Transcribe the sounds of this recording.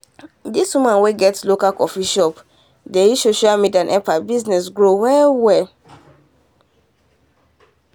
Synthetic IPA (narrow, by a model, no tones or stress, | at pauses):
diswimãnweɡɛtslokakɔfiʃɔp | deisoʃalmidiãnʔɛpabiznɛsɡɹowɛwɛ